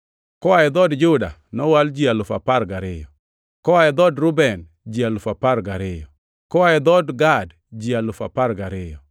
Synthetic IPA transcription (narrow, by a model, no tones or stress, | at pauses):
kɔaɛd̪ɔdd͡ʒʊda̰nɔwald͡ʒialʊfapaɾɡaɾɪjɔ | kɔaɛd̪ɔdɾʊbɛn | d͡ʒialʊfapaɾɡaɾɪjɔ | kɔaɛd̪ɔdɡad | d͡ʒialʊfapaɾɡaɾɪjɔ